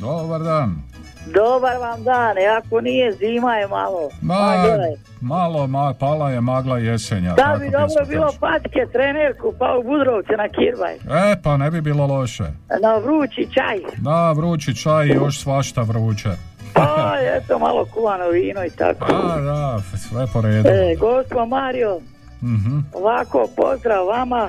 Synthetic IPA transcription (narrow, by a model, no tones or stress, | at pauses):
d̪obaɾd̪aːn | d̪obaɾʋamd̪aːniakonijeziːmajema̰lod̪a | malomapaːlaje̞maːɡlˠaje̞seɲad̪aabid̪obɾobiːlˠopat̪ket̪ɾeneɾkupaubud̪ɾoʋt̪senakiɾba̰jepanebibiːlo̞lo̞ʃḛnaʋɾuːt͡ʃit͡ʃa̰jd̪aʋɾuːt͡ʃit͡ʃajijoʃsʋaʃt̪aʋɾuːt͡ʃe | pajet̪oma̰lˠokulanoʋiːnoit̪a̰koad̪asʋepoɾeːdueɡost̪pomaːɾio | m̩ɦ̩oʋako̰po̰zd̪ɾaʋːama